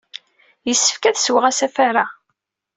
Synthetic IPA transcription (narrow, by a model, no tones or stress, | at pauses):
jəsːə̥fkæðswəʁæsæfaɾa